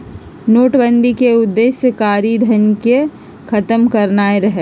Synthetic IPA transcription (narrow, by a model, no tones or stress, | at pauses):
noːʈbə̃nd̪ʱikeʊd̪ːeːsjəkaːɾid̪ʱənke | kʰɐt̪əmkɐɾnaːeɾɐɦe